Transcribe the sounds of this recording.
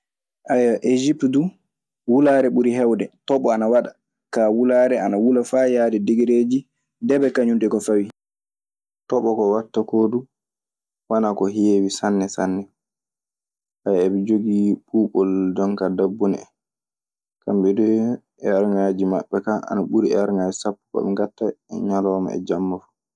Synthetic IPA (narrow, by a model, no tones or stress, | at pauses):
ʔajaʔed͡ʒipdu | wulaːɾɛɓuɾiɦɛwdɛtɔɓɔanawaɗa | kawulaːɾɛanawulafajaːdɛdiɡiɾed͡ʒi | dɛbɛkaɲundɛkɔfawi | tɔɓɔkɔwatːakoːdu | wanakɔɦeːwisanːɛsanːɛ | hajɛbɛd͡ʒoɡiɓuːɓɔldɔnkadabːunɛ̰ | kambɛdu | ɛaɾŋaːd͡ʒima̰ɓːɛkaa̰naɓuɾiɛaɾŋaːd͡ʒisapːu̥kɔ̰ɓɛŋɡatːaɛ̰ɲalɔːma̰ɛ̰d͡ʒamːafu̥